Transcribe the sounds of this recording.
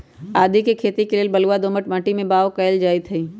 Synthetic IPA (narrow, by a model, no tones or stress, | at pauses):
aːd̪ʱikekʰeːt̪ikeleːlbɐluad̪oːməʈməʈimẽbaːokɐjld͡ʒaːɪt̪ʰɦɐiː